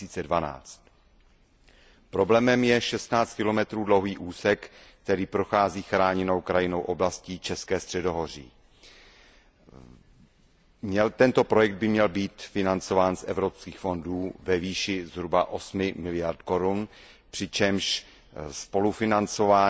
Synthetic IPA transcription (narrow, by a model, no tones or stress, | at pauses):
siːt͡sɛdvana̰ːt͡st̪ | pɾo̞blɛːmɛmjɛʃɛst̪naːt͡st̪kɪlomɛt̪ɾuːdlowɦiːʔuːsɛkkt̪ɛɾiːpɾoxaːziːxɾaːɲɛno̞wkɾajɪno̞wʔo̞blasciːt͡ʃɛskɛːst̪r̥ɛdo̞ɦo̞r̝ḭː | mɲɛlt̪ɛnt̪o̞pɾo̞jɛɡ̚d̪̚bɪmɲɛlbiːt̪fɪnant͡so̞vaːnsʔɛvɾopskiːxfo̞nduːvɛviːʃɪzɦɾubaʔo̞smɪmɪlɪjaɾt̪ko̞ɾun | pr̥ɪt͡ʃɛmʃ | spo̞lufɪnant͡so̞vaː